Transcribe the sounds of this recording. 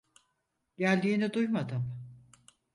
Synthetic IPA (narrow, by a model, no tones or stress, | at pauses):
ɟælʲd̪iːnid̪ujmad̪ɯm